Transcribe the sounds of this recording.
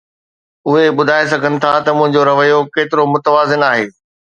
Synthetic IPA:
ʊɦeɓʊd̪ʱaːes̬ɐɡʱənɪ̆t̪ʰat̪ɐmʊ̃ɦɪ̃ɲd͡ʑoɾɐʋəjokeːt̪ɪɾomʊt̪əʋaːzɪnaːɦeː

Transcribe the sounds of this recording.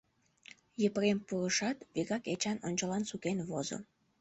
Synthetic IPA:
jəprempurəʃɑt̪βiɣɑket͡ɕɑnonʲt͡ɕəlɑnsukenβozo̰

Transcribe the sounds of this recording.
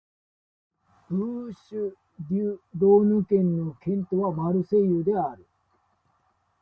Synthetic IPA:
b̥ɯːɕɨ | dʲɨd̪o̞ːnɯ̟kẽ̞nːokẽ̞nt̪o̞βamaɾɯ̟se̞jɯd̪e̞aɾɯ̟

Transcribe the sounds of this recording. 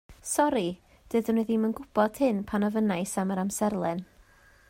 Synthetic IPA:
sɔɾi | d̥ɨdənɨðimənɡʊb̥ɔd̥hɪnpʰanɔvənajsaməɾamsɛrlˠɛn

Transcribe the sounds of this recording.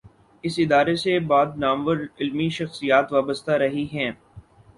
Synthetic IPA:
ɪsɪd̪aːɾesebaːd̪naːmʋəɾɪlmiʃɐxsijaːt̪ʋaːbəst̪aɾɐɦiɦɛ̃ː

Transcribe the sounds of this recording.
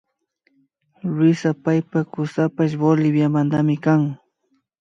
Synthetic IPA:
ɾɪsapajpakʊsapaʃ̬bolɪbjamand̪amɪkaŋ

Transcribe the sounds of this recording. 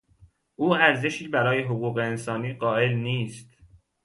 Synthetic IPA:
ʔuːæɾze̞ʃiːbæɾɒːje̞ɦoɣuːɣe̞ːnsɒːniːɢɒːʔe̞lniːst̪

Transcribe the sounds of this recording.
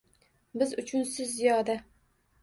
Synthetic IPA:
bɪzʊt͡ʃʰʊnsɪzːijɒd̪a

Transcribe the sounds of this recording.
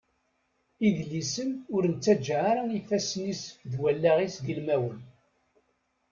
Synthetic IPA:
iðlisəmʊɾnt͡sːæd͡ʒʕaɾaifæsnisðwælːaʁisðilmæwən

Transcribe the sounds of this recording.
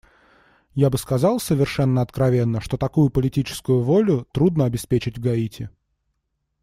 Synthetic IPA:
jabɨskɐzɑlˠsəvʲɪrʂɛnːəɐt̪kɾɐvʲenːəʂt̪o̞t̪ɐkujʊpəlʲɪtʲit͡ɕɪ̥skʊjʊvo̞lʲʊt̪ɾud̪nəɐbʲɪspʲet͡ɕɪtʲvɡɐitʲɪ

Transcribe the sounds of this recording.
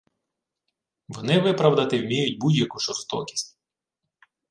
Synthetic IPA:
ʋɔnɪʋɪpɾɐwd̪ɐt̪ɪwmʲijʊtʲbudʲjɐkuʒɔst̪ɔkʲi̥sʲtʲ

